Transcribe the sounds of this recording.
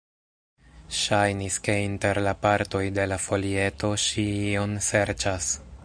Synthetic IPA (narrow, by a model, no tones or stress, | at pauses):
ʃajniske̞inte̞ɾlapaɾto̞jde̞lafo̞lie̞to̞ʃionse̞ɾt͡ʃas